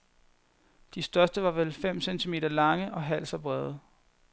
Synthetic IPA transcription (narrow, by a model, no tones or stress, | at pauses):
d̥isd̥ɶɐsd̥əʋɑ̈ʋelfem̰sent͡sʰime̝̰ːd̥ɐlɑ̈ŋəʔɒ̽ɦæl̰sɒb̥ʁɛðˠə